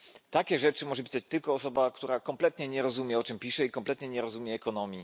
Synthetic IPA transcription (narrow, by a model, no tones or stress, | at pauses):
t̪akʲɛʐɛt͡ʂɘmɔʐɛpʲi̥sat͡ɕt̪ɘlkɔːsɔbakt̪uɾakɔmplɛt̪ɲɛɲɛɾɔzumʲjɛɔt͡ʂɘmpʲiʂɛikɔmplɛt̪ɲɛɲɛɾɔzumʲjɛːkɔnɔmʲji